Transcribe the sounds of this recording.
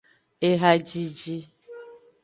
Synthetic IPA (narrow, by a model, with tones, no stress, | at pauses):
e˦ɦa˦d͡ʒi˦d͡ʒi˦